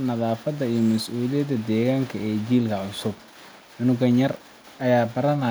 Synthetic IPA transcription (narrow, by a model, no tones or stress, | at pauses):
nɐðaːfɐðɐijɔmɐsʔuːlɪjɐd̪ɐd̪ɛːɣaːŋkʰɐɛːd͡ʒiːlkʰɐʕʊsʊb̚ | ʕʊnʊɣɐnjɐr | ʔɐjaːbɐɾɐnɐ